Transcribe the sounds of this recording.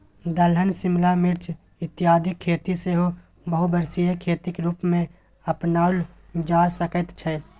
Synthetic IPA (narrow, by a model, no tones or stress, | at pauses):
d̪əlɦənsɪmlamɪɾt͡ʃ | ɪt̪ɪjaːd̪ʱɪkʰːeːt̪iseɦo | bəɦubəɾsijekʰeːt̪ɪkɾuːpmẽ | əpnaːʊld͡ʒaːsəkət̪t͡ʃʰɛː